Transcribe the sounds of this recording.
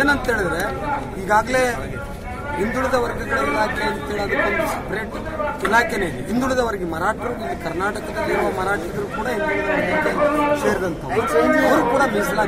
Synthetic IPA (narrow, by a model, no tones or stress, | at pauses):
eːnɐnt̪ɦe̞ːɭid̪ɾe | iːɡaːɡɐle̞ | ind̪uɭid̪ɐʋɐɾɡɐɡɐɽɐilaːkʰɛɐnt̪eɭiɐd̪ukonp̪ɐspɾeːʈ | ilaːkeneː | ind̪uɭid̪ɐʋɐɾɡemɐɾaːʈɾɐɾuuɡ̪ukɐɾnaːʈɐkɐd̪ɐd̪iɾuʋɐmɐɾaːʈɾɐɡɐɾukuːɽɐind̪uɭid̪ɐʋɐdɐt̪eɐse̞ːɾd̪ɐnt̪ʰɐʋiiɐʋɾukuːɽɐmis̬ɐlaː